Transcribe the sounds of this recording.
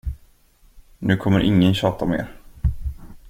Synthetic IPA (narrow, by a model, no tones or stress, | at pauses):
nʉ̟ːkʰɔmːəɾʔɪŋːənɕɑːt̪amḛːɾ